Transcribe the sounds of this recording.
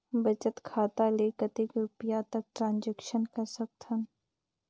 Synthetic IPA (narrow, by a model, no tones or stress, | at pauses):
bɐt͡ʃət̪kʰaːt̪aleːkət̪ɪkɾʊpijat̪ɐk̚ʈɾãːnd͡ʒɛkʃənkɐɾsɐk̚t̪ʰən